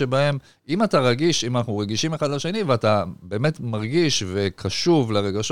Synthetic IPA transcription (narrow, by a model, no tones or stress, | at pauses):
ebae̞m | imataʁaɡiʃimanaχnuʁeɡiʃime̞χad̪laʃe̞niveatabe̞ːme̞tmaʁɡiʃve̞kaʃuvleʁe̞ɡaʃ